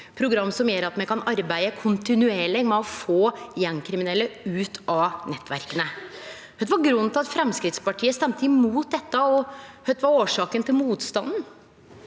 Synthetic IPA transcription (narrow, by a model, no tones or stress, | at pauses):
pʰɾʊɡɾɑmːsɔmjøːɾɑt̪mɛkʰɑnɑɾbæɪəkʰʊnt̪ɪnʉeːɭɪɡmɛɔfoːjɛnːkʰɾɪmɪnɛlːəʉːt̪ʰɑnɛt̪ːʋæ̰ɾkənə | hœd̪ʋɑɾɡɾʉnːt̪ʰɪlɑt̪fɾɛmskɾɪt̪spɑʈʰiːəst̪ɛmt̪əɪmuːt̪̚d̪ɛt̪ːəɔhœt̪ʋɑɾoːʂɑːkənt̪ʰɪlmuːt̪st̪ɑnd̪n̩